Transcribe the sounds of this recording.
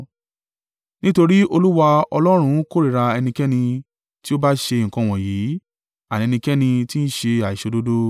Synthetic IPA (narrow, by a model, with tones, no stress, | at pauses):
nĩ˦to˧ɾi˦o˧lu˦wa˧ɔ˧lɔ˦ɾ̃ũ˧˦ko˦ɾi˨ɾa˧ɛ˧nĩ˧kɛ˦nĩ˧ | ti˦o˦ba˦ʃe˧ŋ̩˨kɔ̃˧˨w̃ɔ̃˨jiː˨˦ | a˨nĩ˨˧ɛ˧nĩ˧kɛ˦nĩ˧ti˦n̩˦ʃe˧a˨i˨o˧do˦do˦